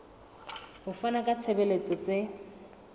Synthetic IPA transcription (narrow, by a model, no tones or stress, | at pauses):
hʊfanakʼat͡sʰebelet͡sʼɔt͡sʼe